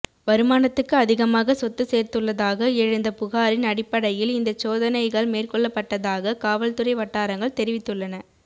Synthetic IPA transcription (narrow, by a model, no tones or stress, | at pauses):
ʋɐɾɯmaːnɐt̪ːɯkːɯɐðɪɣɐmaːɣɐsɔt̪ːɯseːrt̪ɯɭːɐðaːɣɐɛɻɯnd̪ɐpʊɣaːɾɪnɐɽɪpːɐɽɐjɪlɪnd̪ɐt͡ʃːoːðɐnɐɪɣɐɭmeːrkɔɭːɐpːɐʈːɐðaːɣɐkaːʋɐlt̪ɯɾɐɪʋɐʈːaːɾɐŋɡɐɭt̪ɛɾɪʋɪt̪ːɯɭːɐnɐ